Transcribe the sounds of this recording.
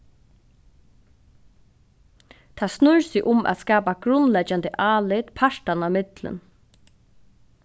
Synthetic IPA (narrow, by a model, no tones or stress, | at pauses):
t̪ʰaːsnʊɹsiʔʊmʔa̰t̪skaːpaɡ̥ɾʊnlɛt͡ʃand̪əʔaːlɪt̪pʰaʂʈanamɪt̪lə̰n